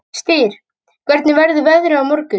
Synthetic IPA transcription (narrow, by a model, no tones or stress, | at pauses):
st̪iːɾ̥ | kʰvɛɾt̪nɪvɛɾðʏvɛðʏɾʏawmɔɾkʏ